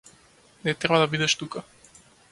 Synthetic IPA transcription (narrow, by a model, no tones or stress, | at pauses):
nɛt̪ɾɛbad̪abid̪ɛʃt̪uka